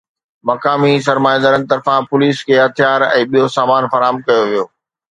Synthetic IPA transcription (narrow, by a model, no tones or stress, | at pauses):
mɐkaːmis̬ɐɾmaːj̃nd̪əɾən̚t̪ɐɾfãpʊliːskʰeːɦɐt̪ʰijaːɾɛ̰̃ːɓijosaːmaːnfɐɾaːɦmkɐjoʋijoː